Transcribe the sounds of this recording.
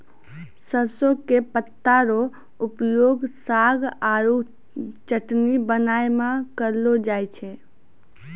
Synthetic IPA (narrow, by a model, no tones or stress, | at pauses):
səɾsokepət̪ːaɾo | upjoɡsaɡaɾu | t͡ʃəʈnibənaemakəɾlod͡ʒajt͡ʃʰɛ